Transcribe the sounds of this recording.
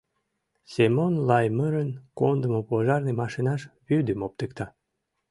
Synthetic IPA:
semonlɑjməɾənkond̪əmopoʒɑrnemɑʃinɑʃβyd̪əmop̚t̪əkt̪ɑ

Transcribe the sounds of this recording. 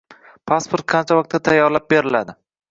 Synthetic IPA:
pʰaspʰoɾt̪̚qʰɑnt͡ʃʰavɒq̚t̪ʰːat̪ʰajːɒɾlap̚be̞ɾɪlad̪ɪ

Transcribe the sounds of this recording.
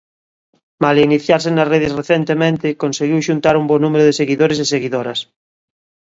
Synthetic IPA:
maliniθjaɾsenasreð̞esreθent̪emẽnt̪ɪkonseɣiwʃunt̪aɾumbonumeɾʊðeseɣiðoɾes̬eseɣiðoɾɐs

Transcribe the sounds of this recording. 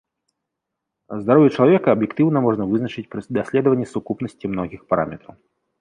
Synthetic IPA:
zd̪aɾɔvʲɛt͡ʃɐlˠavʲɛkɐɐbjɪkt̪ɨwnɐmɔʐnəvɨznɐt͡ʂɨt͡sʲpɾid̪ɐsʲlʲɛd̪əvənʲːɛsʊkupnɐsʲtʲimnɔɣʲixpaɾa̰mʲɛt̪ɾɐ̰w

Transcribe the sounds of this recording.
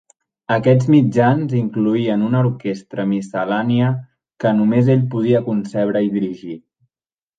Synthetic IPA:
əkɛd͡zmid͡ʒanziŋkluiənunəuɾkest̪ɾəmisəlaniə | kənumezeʎpuð̞iəkunsɛβ̞ɾəiðiɾiʒi

